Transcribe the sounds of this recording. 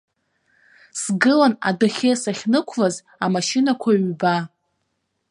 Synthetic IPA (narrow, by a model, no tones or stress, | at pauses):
sɡɨlana̰dɨχʲesaχʲnɨkʷʰlaz | amaʃɪnakʷʰaɥba